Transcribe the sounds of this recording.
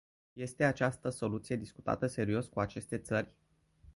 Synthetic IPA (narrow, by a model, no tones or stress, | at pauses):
je̞st̪e̞at͡ʃast̪əso̞lut̪sije̞d̪isku̥t̪a̰t̪əse̞ɾio̞skuat͡ʃe̞st̪e̞t̪sərʲ